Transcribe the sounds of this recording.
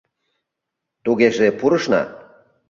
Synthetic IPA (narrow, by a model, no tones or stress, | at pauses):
t̪uɣeʒepuɾɤ̆ʃnɑ̰